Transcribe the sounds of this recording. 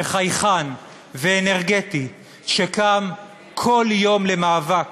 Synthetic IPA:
χajχan | veːneʁɡeti | ʃekam | kʰo̞ljo̞mlemaːvak

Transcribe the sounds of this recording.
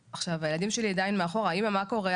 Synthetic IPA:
aχʃavajelad̪imʃeliad̪ainmeaχo̞ʁaimamako̞ʁe

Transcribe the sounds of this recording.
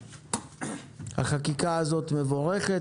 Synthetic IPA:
ha̰χakikaazo̞t̪me̞vo̞ʁe̞χe

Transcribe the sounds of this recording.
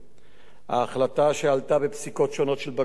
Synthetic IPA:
ha̰ːχlataʃealt̪abepsiko̞tʃo̞no̞tʃelba

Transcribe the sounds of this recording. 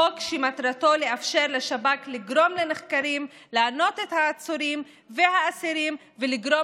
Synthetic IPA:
okʃimat̪ɾat̪o̞leafʃe̞ʁleʃabakliɡɾo̞mleneχkaɾim | laːno̞t̪et̪haːt͡suɾim | vehaːsiɾim | veliɡɾo̞

